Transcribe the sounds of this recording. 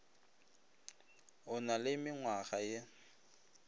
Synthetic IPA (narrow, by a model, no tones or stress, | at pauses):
ɦʊnalɪmɪŋwaɣaje